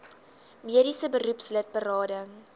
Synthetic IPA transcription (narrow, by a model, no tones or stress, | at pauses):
miəɾisəbəɾupslət̚bəɾɑːdəŋ